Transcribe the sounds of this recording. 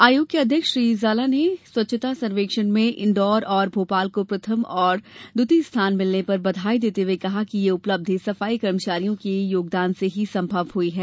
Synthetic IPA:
aːjoːɡjɐd̪ʱjəkʃʃɾiːzaːlaneswɐtːʃʰət̪asɐnʋeːkʃənmẽʔɪ̰̃ɳɖɔːɾɔːɾbʱoːpaːlkopɾɐt̪ʰəmɔːɾd̪ʊt̪ist̪ʰaːnmɪlnepɐɾbɐd̪ʱaːid̪eːt̪ewekɐɦakijeʊpləb̚d̪ʱesɐfaːikɐɾmət͡ʃaːɾijõkejoːɡ̚d̪aːnseɦisɐ̃mbʱɐʋɦuiɦɛː

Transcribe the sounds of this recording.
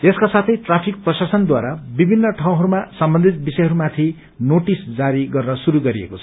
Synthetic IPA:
eskasat̪ʰʌjʈrapʰik̚prʌsasʌnd̪waɾabibʱinːʌʈʰaw̃ɦʌɾumasʌmbʌ̃nd̪ʱit̪̚bisʌjɦʌɾumat̪ʰi | noʈisd͡zaɾiɡʌrnʌsuɾuɡʌɾiḛkot͡sʰʌ

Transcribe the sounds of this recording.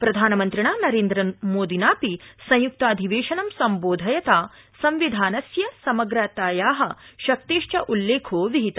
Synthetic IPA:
pɾɐd̪ʱaːnɐmɐnt̪ɾiɳaːnɐɾeːnd̪ɾɐmoːd̪ʱinaːpisɐ̃j̃juk̚t̪ɐːd̪ʱiʋeːʃɐnɐmsɐmboːd̪ʱɐjɐt̪aː | sɐ̃mʋid̪ʱaːnɐsjɐsɐmɐɡɾaːt̪aːjaːɦɐʃɐk̚t̪eːʃt͡ʃɐʔulːeːkʰoːʋiɦit̪ɐ

